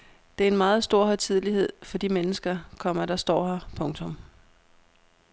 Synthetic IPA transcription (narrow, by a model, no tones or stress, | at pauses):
d̥e̝æɐe̝nmɑ̈ːð̞̩ˠsd̥o̝ɐ̰hɒt͡sʰið̞̰ˠlihe̝ð̞̰ˠfɒ̽d̥imenəsɡ̥ɐkʰɒ̽m̰ɐɾ̥ɑ̈sd̥ɒ̰ːhɑpʰɔ̽ŋt͡sʰɔ̽m